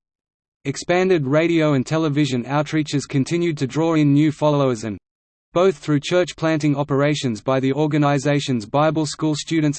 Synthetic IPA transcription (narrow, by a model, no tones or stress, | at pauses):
ɨkspæ̃ndɪd̚ɹeɪɾiəʊə̃ntʰɛlˠəvɪʒɨ̃naʊtʰɹiˑt͡ʃəz̥kʰɨ̃ntʰɪ̃njʉd̚tʰɨdɹɔːɹɪ̃nːjʉːfɑlˠəʊɪzə̃m | b̥əʊθɹʉt͡ʃʰɜˑt͡ʃpʰl̥æ̃ntɪ̃ŋɒpə˞eɪʃə̃nzbaɪðiʔɔːɡənaɪzeɪʃə̃nzbaɪbəlˠskuːlˠstʉːd̃ⁿn̩ts